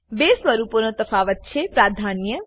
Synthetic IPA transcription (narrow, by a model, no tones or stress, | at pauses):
besʋəɾuponot̪əfaːʋət̪̚t͡ʃʰepɾaːd̪ʱanjə